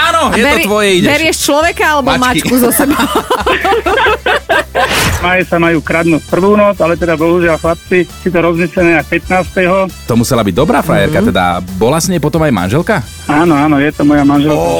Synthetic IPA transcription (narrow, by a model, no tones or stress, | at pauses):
aːnɔjɛɛɔt̪ʋɔjɛiɛʋɛɾɪɛʃt͡ʃlɔʋɛkaalɛbɔmat͡ʃkuzɔsɛbɔ | majɛsamajuːkɾad̪nuspr̩ʋuːnɔd͡zalɛt̪ɛd̪abɔɦuʒɪalxlap̚t͡sisit̪ɔɾɔzmislɛnɛːapɛt̪naːst̪ɛɦɔt̪ɔmusɛlabiɟ̚d̪ɔbɾaːfɾa̰jɛɾkat̪ɛd̪a̰bɔlasɲɛpɔt̪ɔmajma̰nʒɛlka | aːnɔaːnɔjɛt̪ɔmɔjamanʒɛlka